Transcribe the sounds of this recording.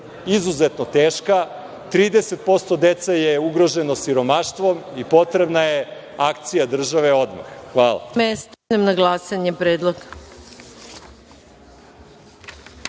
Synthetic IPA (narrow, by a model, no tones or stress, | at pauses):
izuzet̪not̪eːʃka | t̪ɾiːd̪eset̪̚po̞st̪o̞d̪et̪sajeuɡɾo̞ʒe̞no̞siɾo̞maʃt̪ʋo̞mipo̞t̪ɾe̞bnajeakt̪sijad̪r̩ʒaʋe̞o̞d̪ma̰xxʋaːla̰mest̪anemnaɡlˠasaɲepɾeːd̪lˠoɡ